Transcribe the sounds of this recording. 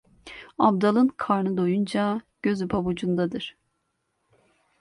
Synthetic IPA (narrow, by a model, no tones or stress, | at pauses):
abd̪alˠɯnkʰaɾnɯd̪ojund͡ʒaɟ̥øzypʰabud͡ʒund̪ad̪ɯɾ̥